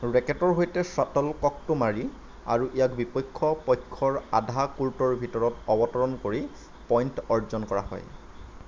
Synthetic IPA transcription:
ɹɛkɛtɔɹɦojtɛsatɔlkɔk̚tʊmaɹi | a̰ɹuʔijakbipɔjkʰːɔpɔjkʰːɔɹa̰dʱakultɔɹbʱitɔɹɔtɔbɔtɔɹɔnkoɹi | pɔjntɔɹzɔnkɔɹa̰hɔ̰j

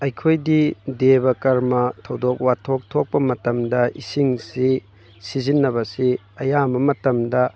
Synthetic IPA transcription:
ɐjkʰojdidebɐkɐɾmɐtʰɐwdok̚watʰːok̚tʰok̚pɐmɐtɐmdɐisiŋsi | sizinːɐβɐsi | ɐjambɐmɐtɐmdɐ

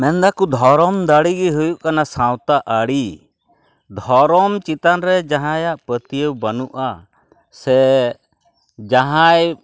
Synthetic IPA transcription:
mɛnd̪akud̪ʱɔɾɔmd̪aɽiɡiɦujuʔkanasãwt̪aʔaɽi | d̪ʱɔɾɔmt͡ʃit̪anɾɛd͡ʒaɦãjaʔpət̪ijəwbanuʔa | sɛ | d͡ʒaɦaj

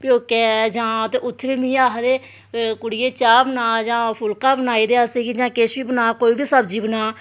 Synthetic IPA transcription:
pɪoːkɛːd͡ʒãːt̪eːʔʊt̪ʰːbiːmĩːaːɦd̪eː | kʊɽɪjeːt͡ʃaːbənaːd͡ʒãːpʰʊlkaːbənaːiːd̪eːasiɡiːd͡ʒãːkeʃʋiːbənaːkoːiːbiːsəbd͡ʒiːbənaː

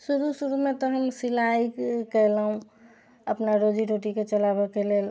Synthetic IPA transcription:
suɾusuɾumet̪ɔɦəmsilaikəlaɦũ | əpnaɾod͡ʒiɾoʈiket͡ʃəlabɔkelel

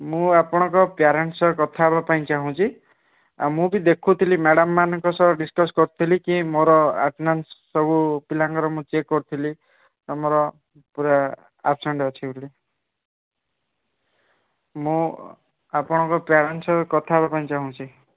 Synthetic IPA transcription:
mũapɔɽ̃ɔ̃kɔpjaɾensɔkɔt̪ʰabapaĩt͡ʃaɦũt͡ʃʰi | a̰mũbid̪ekʰut̪ʰilimeɽɔmːanɔŋkɔsɔɖiskɔskɔɾut̪ʰilikĩmoɾɔa̰pnanssɔbupilaŋkɔɾɔmũt͡ʃekːɔɾut̪ʰili | amɔɾɔ | puɾa | a̰psɔɳɖɔt͡ʃʰibɾle | mũ | apɔɽ̃ɔ̃kɔpjaɾensɔkɔt̪ʰabapaĩt͡ʃaɦũt͡ʃʰi

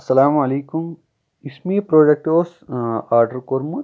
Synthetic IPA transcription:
ɐsɐlaːmɐleːkum | ismiːpɾoːɖɐk̚ʈoːsaːɾɖɐɾkoɾmu

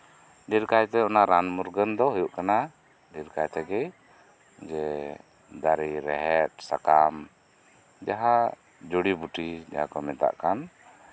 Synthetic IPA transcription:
ɖiɾkajt̪ɛɔnaɾanmuɾɡənd̪ɔɦujuʔkana | ɖiɾkajt̪ɛɡɛj | d͡ʒɛ | d̪aɾiɾɛɦɛt̪̚sakam | d͡ʒaɦa | d͡ʒoɽibuʈid͡ʒa̰ɦakɔmɛt̪a̰ʔkan

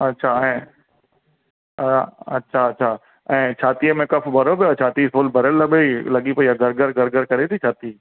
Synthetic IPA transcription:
ɐtːʃʰaɛ̃ | ɐ̰tːʃʰaɐtːʃʰa | ɛ̃ːt͡ʃʰaːt̪iəmẽkɐfʰbʱɐɾopejat͡ʃʰaːt̪isolbʱɐɾəlːɐbeilɐɠipɐiaɡʱɐɾɡəɾɡɐɾɡəɾkɐɾet̪ʰit͡ʃʰaːt̪i

